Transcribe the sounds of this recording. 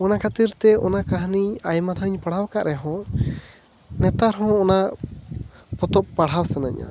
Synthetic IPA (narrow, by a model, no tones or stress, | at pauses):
ɔnakʰat̪iɾt̪ɛɔ̰nakaɦniajmat̪ʰəɲpaɽ̤awkaʔɾɛɦɔ̃ | nɛt̪aɾɦɔ̃ɔna | pɔt̪ɔp̚paɽ̤awsanaɲa̰